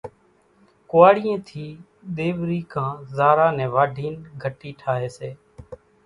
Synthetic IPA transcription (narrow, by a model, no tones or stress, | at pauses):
kʊʋaːɽiːẽːt̪ʰiː | ɗ̪eːʋɾiːkãːzaːɾaːnɛ̃ːʋaːɖʱiːnɡʱəʈiːʈʰaːɦeːseː